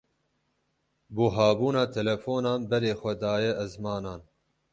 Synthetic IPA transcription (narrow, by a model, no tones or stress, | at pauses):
buːɦaːbuːnɑːt̪ʰɛlɛfoːnɑːnbɛɾeːxʷɛd̪ɑːjɛʔɛzmɑːnɑːn